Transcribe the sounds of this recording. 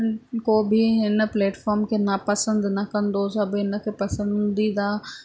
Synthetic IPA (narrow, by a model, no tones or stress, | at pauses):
koːbɪɦɪnə̆pleːʈfɔːɾmkʰeːnapɐsə̃nd̪nɐkɐ̃nd̪osɐbɦɪnə̆kʰeːpɐsə̃nd̪id̪aː